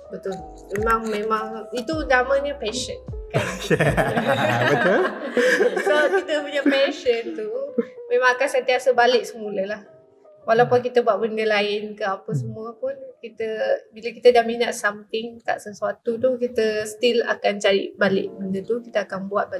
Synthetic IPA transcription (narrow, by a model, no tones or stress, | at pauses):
bət̪ʊl | memãŋmẽmaŋit̪unamə̃ɲəpeʃənka | əʊl | sokit̪əpuɲapeʃənt̪umẽmãŋakansənt̪iasəbalɪʔ̚səmuləlah | walapʊnk̬it̪əbuaʔ̪̚bəndəlaɪnkəapəsəmuəpʊnkit̪əbiləkit̪ədahminaʔsamt̪ɪŋt̪a̰ʔsəsat̪ut̪uhkit̪əst̪ila̰kant͡ʃaɾḭbalɪ̰ʔbəndət̪ukit̪əakanbuat̪̚ba